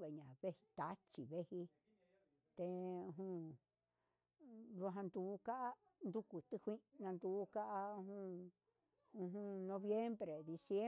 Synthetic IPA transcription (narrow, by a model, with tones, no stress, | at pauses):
e˨ɲã˨βe˦hi̥˧t̪a˦t͡ʃi˨βe˦hi˧ | t̪e˧ũ˧ɦũ˧ | ðu˧ɦã˧nd̪u˨˦ka˦ʔa˦ | nd̪u˦ku˨t̪ɨ˧hʷĩ˦ʔnã˧nd̪u˧˦ka˦ʔa˧ũ˧hũ˧ | ũ˧ɦũ˧nõ˧βje˦mbɾe˨d̪i˧sje˦